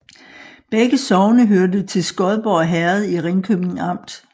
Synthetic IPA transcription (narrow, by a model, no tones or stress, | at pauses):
b̥eɡ̥əsɒʊnəɦøɐdət͡sʰe̝lsɡ̥ɒ̽ð̞ˠb̥ɒɦæɐð̞̩ˠiʁeŋkʰøb̥ne̝ŋɑ̈m̰d̥